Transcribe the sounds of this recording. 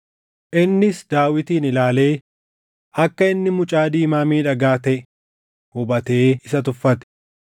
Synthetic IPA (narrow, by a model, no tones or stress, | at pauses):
ʔɪnːɪsd̪aːwɪt̪iːnɪlaːle̞ː | ʔɐkːɐɪnːɪmʊt͡ʃʼaːd̪iːmaːmiːᶑɐɡaːt̪ɛʔ | hʊbɐt̪eːɪsɐt̪̬ʊfːɐt̪ɛ̥